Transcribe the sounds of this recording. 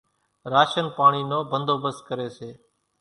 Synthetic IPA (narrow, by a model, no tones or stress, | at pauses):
ɾaːʃənpaːɳ̃iːnoːbənd̪oːbəskəɾeːseː